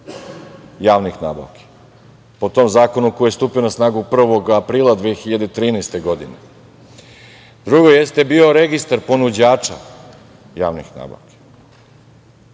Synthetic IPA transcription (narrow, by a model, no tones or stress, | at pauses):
jaːʋnixnaːba̰ʋke̥ | pot̪o̞mzaːko̞nukojejest̪uːpijonasnaːɡupr̩ʋo̞ɡapɾiːlˠad̪ʋexiʎad̪et̪ɾiːneːst̪e̞ɡo̞d̪inḛ | d̪ɾuɡo̞je̞st̪ebio̞ɾe̞ɡist̪aɾpo̞nud͡ʑaːt͡ʂa̰ | ja̰ːʋnḭxna̰ːba̰ʋke̥